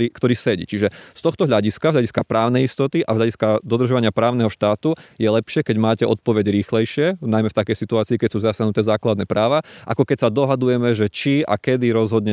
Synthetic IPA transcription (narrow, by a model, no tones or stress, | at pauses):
iːkt̪ɔɾiːsɛɟḭt͡ʃiʒɛst̪ɔxt̪ɔɦʎaɟiskazɦʎaɟiskapɾaːʊnɛjist̪ɔt̪iʔazɦʎaɟiskad̪ɔd̪r̩ʒaʋaɲɪapɾaːʊnɛɦɔʃt̪aːt̪ujɛlɛpʃɪɛkɛɟmaːcɛʔɔ̰t̪̚pɔʋɛɟɾiːxlɛjʃɪɛnajmɛft̪akɛjsit̪uaːt͡siːkɛc̚suːzasanut̪ɛːzaːklad̪nɛpɾaːʋaʔa̰kɔkɛcsad̪ɔɦad̪ujɛmɛʒɛt͡ʃia̰kɛd̪iɾɔzɦɔd̪ɲɛ